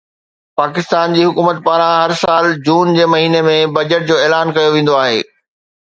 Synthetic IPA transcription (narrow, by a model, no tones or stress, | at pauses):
paːkɪst̪aːnd͡ʑiːɦʊkuːmət̪paːɾãɦɐɾsaːld͡ʑuːnd͡ʑeːmɐɦiːnemẽbɐd͡ʑəʈ̚d͡ʑoːɛːlaːnkɐjoʋẽːn̆d̪oaːɦḛː